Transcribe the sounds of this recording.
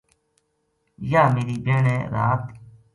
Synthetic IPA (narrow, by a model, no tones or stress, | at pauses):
jaːmeːɾiːbeːɳeːɾa̰ːt̪